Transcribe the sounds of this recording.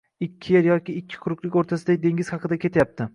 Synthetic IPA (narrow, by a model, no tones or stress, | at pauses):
ɪkʲʰːɪjeɾjɒkʲɪːkʲʰːɪ̥qʰʊɾʊqlˠɪkʲoɾt̪ʰasɪd̪aɪd̪e̞ŋʲɪz̥hɑqɨd̪akʲʰe̞t̪ʰajap̚t̪ʰɪ